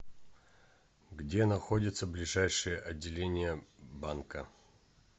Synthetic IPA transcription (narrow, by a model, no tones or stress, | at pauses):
ɡdʲenɐxodʲɪt̪səblʲɪʐajʂɨjəʔɐdʲːɪlʲenʲɪjəbankə